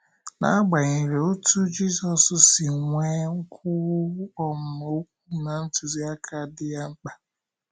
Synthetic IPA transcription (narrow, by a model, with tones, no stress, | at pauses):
na̰˦a˦ɡ͡ba˨ɲi˨ɾe˨o˦tu˦d͡ʒi˦sɔ˨sʊ˨sɪ˨ŋʷe˦ŋ̩˦kʷʰu˦ɔ˨m̩˨o˦kʷu˦na˨n̩˦tu˨zi˦a˦kʰa˦˨dɪ˦ja˦ŋ͡m̩˦k͡pa˨